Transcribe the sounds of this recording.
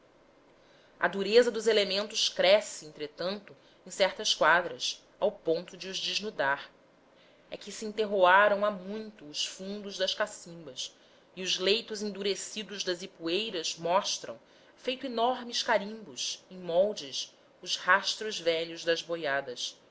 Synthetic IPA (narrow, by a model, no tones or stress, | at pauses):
ɐ̰d̪uɾezɐd̪ʊzelemẽnt̪ʊskɾɛsɪẽnt̪ɾet̪ɐ̃nt̪ʊ | ẽj̃sɛɾt̪ɐskwad̪ɾɐs | awpõnt̪ʊd͡ʒɪʊzd͡ʒɪʒnud̪aɾ | ɛkɪsiĩnt̪eɦoaɾɐ̃w̃amũj̃t̪ʊːsfũnd̪ʊʒd̪ɐʃkasĩmbɐs | iʊzlejt̪ʊzẽnd̪uɾesid̪ʊʒd̪ɐzipuejɾɐzmɔʃt̪ɾɐ̰̃w̃ | fejt̪ʊinɔɾmɪskaɾĩmbʊsẽj̃mɔwd͡ʒɪʃ | ʊzhaʃt̪ɾʊzvɛʎʊzd̪ɐzbojad̪ɐs